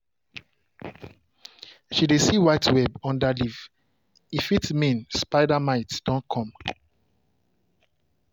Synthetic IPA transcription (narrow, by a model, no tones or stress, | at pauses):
ʃidesiwaɪtwɛbɔ̃ndaliv | ifitmĩnspaɪdamaɪtd̥ɔ̃nkʰɔ̃m